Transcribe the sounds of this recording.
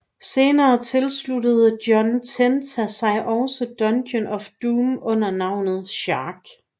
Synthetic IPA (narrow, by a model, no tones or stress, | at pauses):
se̝ːnɐːt͡sʰe̝lsludəð̞̩ˠd̥jɒ̽nt͡sʰent͡sʰæsɑ̈ɪʔɒʊsəd̥ɒ̽nd̥jənɒ̽fd̥uːmɔ̽n̰ɐnɑ̈ʊ̰nð̩ˠɕɑːɡ̥